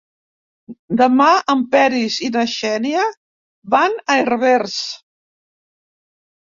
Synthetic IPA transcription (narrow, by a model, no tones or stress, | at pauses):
d̪əmaəmpɛɾizinəʃɛniə | βanəerβeɾs